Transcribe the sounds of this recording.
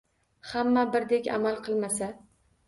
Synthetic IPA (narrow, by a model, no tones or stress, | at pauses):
hamːabɪɾd̪ekʲa̰malˠqʰɨlˠmasa